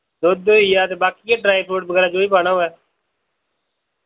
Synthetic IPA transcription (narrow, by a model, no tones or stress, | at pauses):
d̪oːd̪oːɪjaːt̪̬eːbaːkijaːɖɾaːiːpʰoːʈ̚bəɡɛːɾaːd͡ʒoːiːpaːɽaːoːɛː